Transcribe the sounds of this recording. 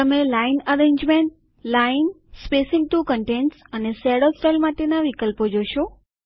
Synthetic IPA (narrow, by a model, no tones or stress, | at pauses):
əmelainəɾeɲd͡ʒmeɳʈ̚ | lainspesiŋɡ̚ʈukəɳʈenʈsənesɛɽosʈelmaʈenaʋikəlpod͡ʒoʃo